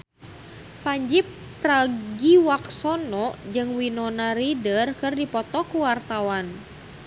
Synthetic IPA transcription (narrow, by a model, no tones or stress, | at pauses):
paɲd͡ʒipː | raɡiwaksɔnɔʔd͡ʒɨŋwinɔnaɾidərkɨrdipɔt̪ɔkuwart̪awan